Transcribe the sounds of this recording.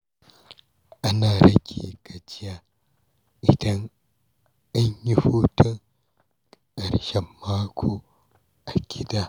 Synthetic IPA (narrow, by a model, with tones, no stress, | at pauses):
ʔa˦naː˨ɾɐ˦ɡʲʰḭː˨ka˨t͡ʃɪ˦jaː˨ | ʔɪ˨dɐ˦ŋ | ʔa˦ɲji˦ɸuː˦tɔ˦ŋ | kʼɐ˨ɾʃɛ˨mːaː˦kʰoː˦ | ʔa˨ɡʲɪ˦daː˦˨